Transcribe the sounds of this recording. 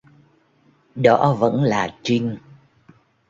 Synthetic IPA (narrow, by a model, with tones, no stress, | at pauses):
ɗɔ˧˥˦və̰˧˥nlaː˨˩t͡ɕi˧ŋ